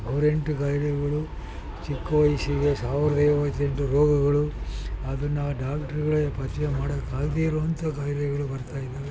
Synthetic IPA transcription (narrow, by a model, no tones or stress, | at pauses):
ɐʋɐɾeɳʈukaːjɽɐɡɐɭu | t͡ʃikːɐʋɐjsiɡesaːʋiɾɐd̪ɐjʋɐt̪ːeɳʈuɾoːɡɐɡɐɭuɐd̪ɐnːɐɖaːkʈɐɾɡɐɭepɐt̪jemaːɽɐkːaːɡd̪ijɐɾoɐnt̪ɐɡaːjɽɛɡɐɭubɐɾt̪aːjid̪ːeʋe